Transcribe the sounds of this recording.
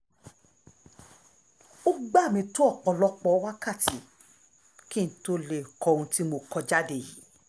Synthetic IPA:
o˦ɡ͡ba˦˨mĩ˧to˦ɔ˦˨k͡pɔ˧lɔ˦k͡pɔ˨˦wa˦ka˦˨ti˨˦ | kĩ˦n̩˨˦to˦le˦˨kɔ˧˦ɾũ˧ti˦mo˧kɔ˧d͡ʒa˦de˦˨jḭ˨˦

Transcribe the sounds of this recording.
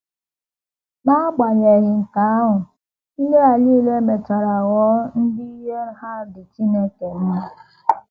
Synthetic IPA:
na˦ɡ͡ba˨ɲe˨ɣɪ˨ŋ̩˨ka˨a˦ɦʊ˨ | i˦le˦a˨liː˦˨le˦me˨t͡ʃa˨ɾa˨ɣɔ˨˦n̩˦dɪ˦i˦ɦe˦ɾɦa˦˨dɪ˨t͡ʃi˦ne˦ke˨n̩˦me˦

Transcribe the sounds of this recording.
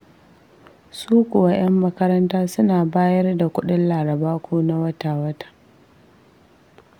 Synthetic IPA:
suː˦kʷʊ˨wa˦j̰ɐ˦mːɐ˦kɐ˦ɾɐ˦ntaː˦sʊ˦naː˨baː˦jɐ˦rda˨kʷʊ˦ɗɪ˦nlaː˨ɾɐ˨baː˦kʷuː˦na˦wɐ˦taː˨wɐ˦tḁ˨

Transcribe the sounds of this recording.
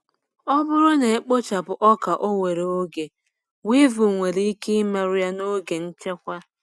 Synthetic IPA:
ɔ˦bʊ˦ɾʊ˦ne˨e˦k͡po˦t͡ʃa˨bʊ˨ʔɔ˦ka˨ʔo˦we˨ɾe˨o˦ɡe˨ | wi˦vu˨ŋʷe˨ɾi˨˦i˦ki˦i˦ma˦ɾʊ˦ja˦no˦ɡe˨n̩˦t͡ʃe˦kʷa˦

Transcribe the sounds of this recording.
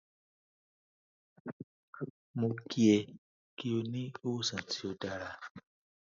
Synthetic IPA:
mõ˨kʰi˦ɛ˨ | ki˨jo˨nĩ˦o˦sã˨ti˨o˨da˨ɾa˨

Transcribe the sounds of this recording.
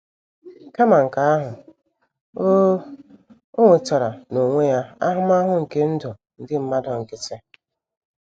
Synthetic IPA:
ka˦ma˨ŋ̩˨ka˨a˦ɦʊ˨ | o˦ | o˦ŋʷe˨tɔ˨ɾa˨no˨ŋʷe˦ja˦a˦ɦʊ˦ma˦ɦʊ˦ŋ̩˨ke˦n̩˦dɔ˨ | n̩˦dɪ˦m̩˦ma˦dɔ˨ŋ̩˨kɪ˦t͡ʃe˦

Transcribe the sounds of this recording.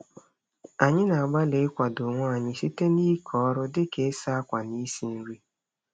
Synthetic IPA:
a˨ɲɪ˦na˨a˨ɡ͡ba˦le˨ɪ˦kʷa˨dʊ˨ŋʷɔ˦a˨ɲɪ˦si˦te˦ni˦kʰɔ˨˦ɾʊ˦dɪ˦ke˦sa˦kʷa˨ni˦si˨n̩˦ɾi˦

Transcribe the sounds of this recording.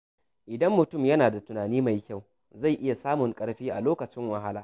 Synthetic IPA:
ʔɪ˨dɐ˦mːʊ˨tʊ˦˨mjɐ˦naː˨da˨tʊ˨naː˨niː˦ma˨jkʲa˦˨w | za˦˨jʔɪ˦ja˨saː˦mʊ˨ŋkʼɐ˦ɽɸiː˦ʔa̰˨loː˦kɐ˨t͡ʃɪ˦ŋwɐ˨ɦa˦laː˦

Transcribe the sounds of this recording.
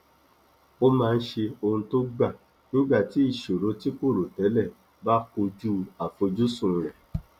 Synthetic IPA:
o˦mãː˧n̩˦ʃe˧o˧hũ˧to˦ɡ͡ba˦˨ | nĩ˦ɡ͡ba˦˨ti˨˦i˦˨ʃo˨ɾo˨˧˦ti˦ko˦˨ɾo˨tɛ˨˦lɛ˦˨ | ba˦ko˧d͡ʒu˦a˨fo˧d͡ʒu˦sũ˦˨ɾɛ˨

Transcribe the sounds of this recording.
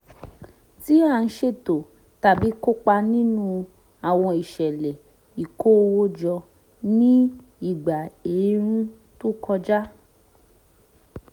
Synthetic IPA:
ti˨˦a˦˨˧n̩˦ʃe˦˨to˨ | ta˨bi˨˦ko˦k͡pa˧nĩ˦nũ˧ | a˨w̃ɔ̃˧i˨ʃɛ˨lɛ˨ | i˨ko˦˧wo˦d͡ʒɔ˧ | nĩ˦ | i˦˨ɡ͡ba˨e˨˦ɾ̃ĩ˦ | tu˦kʰɔ˧d͡ʒa˦

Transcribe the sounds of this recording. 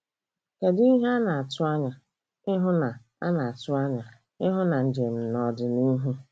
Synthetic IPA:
ke˨di˦ɦa˦na˨a˨tʊ˦a˦ɲa˨ | ɪ˦ɦʊ˦na˨ | a̰˦na˨a˨tʊ˦a˦ɲa˨ | ɪ˦ɦʊ˦na˨n̩˨d͡ʒe˨n̩˨nɔ˨dɪ˨ni˦ɦu˦

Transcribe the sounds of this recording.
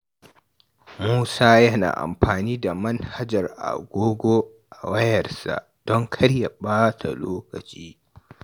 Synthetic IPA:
muː˦saː˦jɐ˦na̰ː˨ʔa̰˨mɸaː˨niː˦da˨mɐ˦nha˦d͡ʒɐ˨rʔa̰˨ɡʷoː˦ɡʷoː˦ | ʔa˨wɐ˦jɐ˨rsa̰˨ʔd̥ɔ˦ŋkʰɐ˦ɽja˨baː˦tʰa̰˨loː˦kɐ˨t͡ʃiː˦

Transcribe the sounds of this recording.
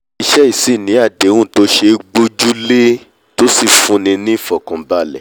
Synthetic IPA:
i˧ʃɛ˦i˦˨si˦˨nĩ˨˦a˦˨de˨˦wũ˦˨to˨˦ʃe˧ɡ͡bo˧d͡ʒu˦le˦ | to˦si˦˨fũ˧˦nĩ˧nĩ˦i˦˨fɔ˨kɔ̃˨ba˨lɛ˨

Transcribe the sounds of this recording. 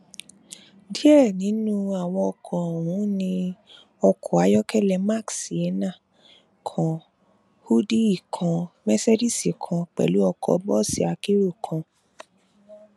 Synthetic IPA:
di˦ɛ˦˨nĩ˨˦nũ˦a˨wɔ̃˧ɔ˧kʰɔ˨hũ˨˦nĩ˧ | ɔ˧kʰɔ˨a˨˦jɔ˦kɛ˦lɛ˧˨ma˦˨ksi˨ɛ˨˦nã˦˨ | kʰɔ̃˨ | hu˦di˦i˦˨kʰã˧mɛ˦sɛ˦di˦si˨kʰã˧k͡pɛ̰˨lu˨˦ɔ˧kʰɔ̰˧˨˧bɔ˦˨si˦a˧ki˦ɾo˦˨kʰã˧

